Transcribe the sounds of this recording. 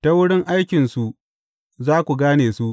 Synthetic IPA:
ta˦wʊ˦ɽɪ˦ŋʔa˦jkʲɪ˨nsu˨ | zaː˦kʷu˨ɡaː˦neː˨su˦ʔ

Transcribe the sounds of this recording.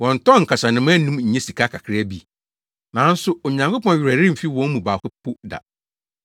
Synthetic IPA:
wɔ̃˨n˨tɔ̃˦˨ŋ̩˨kʰa˨sa˨nɪ̃˨mã˦nũ˦mɲ̩˨ɲɛ̃˦si˨kʰa˦kʰa˨kʰɾɪ˦æ˦bi˦ | nã˨˦n̩˦sʊ˦o˨ɲã˨ŋko˦pɔ̃˦n˨ɥᶣɾæ˨ɾɪ̃˦m̩˨fi˦wɔ̃˦n˦mũ˨baː˨kʊ˦pʰʊ˦da̰˨

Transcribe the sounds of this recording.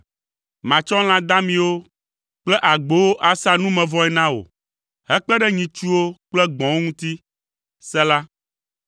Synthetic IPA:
mã˨t͡ʃɔ̃˦l̃ã˦d̪ã˦mĩ˦wo˦ | k͡plɛ˦ʔa˨ɡ͡bo˨wo˦ʔa˨sa˦nũ˦mɛ̃˨vɔ̃˦ɛ˦nã˦wo̰˨ | ɦɛ˦k͡pɛ˦ɖɛ˦ɲĩ˨t͡ʃu˦wo˦k͡plɛ˦ɡ͡bɔ̃˨wo˦ŋũ˦t̪i˦ | sɛ˦la˦

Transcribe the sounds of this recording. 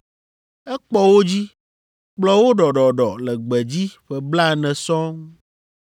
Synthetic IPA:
ɛ˦k͡pɔ˦wo˦d͡ʑi˦ | k͡plɔ˦wo˦ɖɔ˨ɖɔ˨ɖɔ˨lɛ˨ɡ͡bɛ˨d͡ʑi˦ɸɛ˨bla˦˨nɛ̃˨sɔ̃˦ŋ

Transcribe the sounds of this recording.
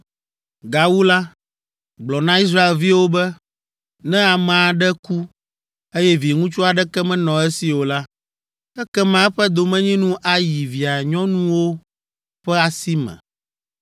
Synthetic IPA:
ɡa˨wu˦la˦ | ɡ͡blɔ˨nã˦i˦s̬ɾa˦e˨lvi˦wo˦bɛ˦ | nɛ̃˦a˨mɛ̃˨a˨ɖɛ˦ku˦ | e˦jɛ˦vi˨ŋũ˦t͡ʃu˦a˨ɖɛ˦kɛ˦mɛ̃˦nɔ̃˨ɛ˦si˨wo˨la˦ | ɛ˦kɛ˦mã˨˦ɛ˦ɸɛ˦d̪o˨mɛ̃˦ɲĩ˦nũ˦ʔa˨ji˨vi˨a˨ɲɔ̃˦nũ˦wo˦ | ɸɛ˦a˨si˦mɛ̰̃˨

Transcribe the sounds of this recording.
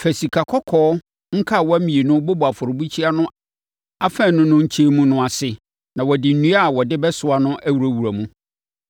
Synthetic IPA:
fɛ˨si˨kʰa˨kʰɔ˦kʰɔː˦ | ŋ̩˦kʰa˦˨wɔ˦æ˦mĩ˨e˨nʊ̃˦bʊ˦bʊ˨a˨fʊ˨ɾʊ˨bu˦t͡ɕʰi˦a˦nʊ̃˦ | a˦fɛ̃˦˨nʊ̃˦nʊ̃˦ɲ̩˦t͡ɕʰe˦mũ˦nʊ̃˦a˨sɪ˨ | nã˨wɔ˨dɪ˨n̩˨nũ˦a˦˨wɔ˨dɪ˦bɛ˦sʊ˨˦a˨nʊ̃˦ʔæ˦wu˨ɾæ˨wu˨ɾæ˨mũ˦

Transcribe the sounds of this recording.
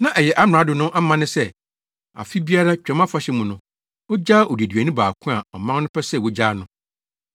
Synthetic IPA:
nã˦ʔɛ˨jɛ˨ʔa˦m˨ã˨˦dʊ˨nʊ̃˦ʔa˦mã˦nʊ̃˦sɛ˦ | a̰˨fi˦bi˦a˦ɾa˦t͡ɕᶣɛ˨˦mã˦fa˦ɕɛ˦mũ˨nʊ̃˦ | ɔ˦d͡ʑaː˦ʔɔ˨de˨dɥæ˨nĩ˦baː˨kʰʊ̃˦a˨ɔ˨mã˦ŋnʊ̃˦pʰɛ˦sɛ˦˨wo˦d͡ʑaː˦nʊ̃˦

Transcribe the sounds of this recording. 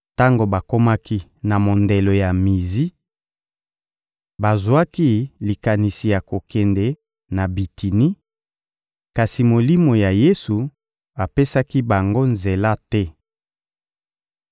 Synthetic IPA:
ta˦ŋɡo˨ba˨ko˦ma˦ki˦na˨mo˨nde˨lo˨ja˨mi˨zi˦ | ba˨zwa˦ki˦li˨ka˨ni˨si˨ja˨ko˨kɛ˨nde˨ | na˨bi˨ti˨ni˦ | ka˨si˨mo˨li˦mo˨ja˨je˦su˨ | a˨pe˦sa˦ki˦ba˨ŋɡo˦nze˨la˦tɛ˦

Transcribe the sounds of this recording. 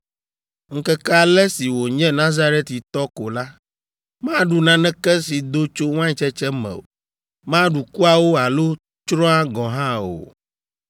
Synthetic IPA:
ŋ̩˦kɛ˦kɛ˦a˨lɛ˦si˨wo˨ɲɛ̃˦nã˦za˦ɾɛ˦t̪i˨t̪ɔ˦ko˨la˦ | mã˦ɖu˨nã˨˦nɛ̃˦kɛ˦si˨d̪o˦t͡ʃo˦ŋ˦ã˦ɲ˦t͡ʃɛ˦t͡ʃɛ˦mɛ̰̃˨o̰˨ | mã˦ɖu˨ku˦a˨wo˦a˨lo˦ | t͡ʃɾɔ̃˦a˦ɡɔ̃˨ɦã˦o̰˨

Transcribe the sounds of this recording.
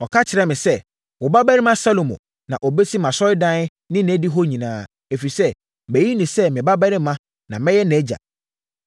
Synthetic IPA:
ɔ˨kʰa˦t͡ɕʰɪ˨ɾɛ˦mɪ̃˨sɛ˦ | wɔ˨ba˦bæ˦ɾɪ˦mã˦sa˦lo˨mõ̰˨ | nã˨ʔɔ˨be˦sʰi˦mã˨sɔ˦ɪ˦dã˦n˦ | nɪ̃˦n˨ɛ˦di˦ɦo˦ɲĩ˨nãː˦ | e˨fi˨sɛ˦ | bæ˨ji˦nĩ˨sɛ˦mɪ̃˨ba˦bɛ˦ɾɪ˦mːã˦ | nã˨mɛ̃˦jɛ˦nɛ˦d͡ʑa̰˨

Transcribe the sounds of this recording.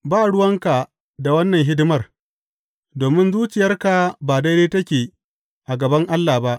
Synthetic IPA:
baː˦˨ɽʊ˦wɐ˦ŋka˨ | da˨wɐ˦nːɐ˨ŋɦɪ˦dɪ˦mɐ˦˨r | doː˨mɪ˦nzuː˦t͡ʃɪ˨jɐ˦rka˨baː˨da˦jdeː˦tɐ˦kʲeː˨ | ʔa˨ɡɐ˨bɐ˦ŋʔa˦lːaː˨ba˦ʔ

